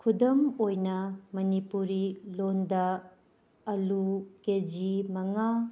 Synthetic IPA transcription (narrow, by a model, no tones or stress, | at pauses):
kʰudɐmojnɐmɐnipuɾilondɐː | luked͡ʒimɐŋa